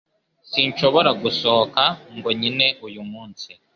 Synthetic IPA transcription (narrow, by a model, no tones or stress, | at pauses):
siɲt͡ʃo̞βoɾaɡusokaŋɡo̞ɲine̞ujumuːnsi